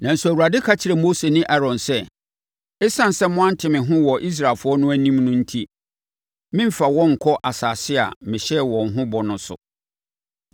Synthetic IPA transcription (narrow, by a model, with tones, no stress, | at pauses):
nã˨n̩˨su˨æ˨wu˨ɾa˨dɪ˦kʰa˦t͡ɕʰɪ˨ɾɛ˨mo˦se˨nɪ̃˦ʔɛ˦ɾɔ̃˨nsɛ˦ | ɪ˦sã˦n˨sɛ˦mʊ̃˦ã˦n̩˦tʰɪ˨mɪ̃˨ɦʊ̃˦wɔ˨ʔi˦s̬ɾa˨lfʊ˦ɔ˦nʊ̃˦æ˦nĩ˦mnʊ̃˦n̩˦tʰi˦ | mɪ̃˦m̩˦fa˨wɔ̃˦ŋ̩˨kʰɔ˦ʔa˨saː˨sɪ˦a̰˨mɪ̃˨ɕɛ˦wɔ̃˨ŋ̩˨ɦʊ̃˦bɔ˨nʊ̃˦sʊ̰˨